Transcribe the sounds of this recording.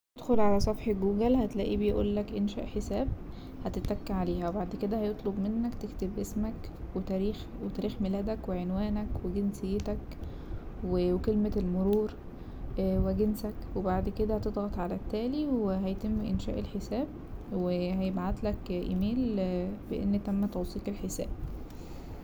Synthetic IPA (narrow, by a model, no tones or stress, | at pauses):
t̪ed̪xolʕalæsˤɑfħeɡuːɡælhæt̪læ̰ːʔibejʔṵːlːækʔenʃæ̰ʔħesæːb̚ | hæt̪et̪ːækːæʕaleːhæwebaʕd̪ked̪æhæjot̪ˤlobmenːækt̪ekt̪ebʔesmæk | wet̪æɾiːx | wet̪æɾiːxmelæːd̪ækweʕenwæːnækweɡensejːet̪æk | wekelmelmoɾuːɾ | weɡensækwebaʕd̪ked̪æhæt̪ed̪ˤɣɑt̪ˤʕalæt̪ːæːliweɦæjt̪emːʔenʃæ̰ːʔelħesæːb̚ | weɦæjebʕad̪lækʔḭmeːlb̥eʔḛnːt̪æmːæt̪ɑwsˤiːqelħesæ̰ːb̥̚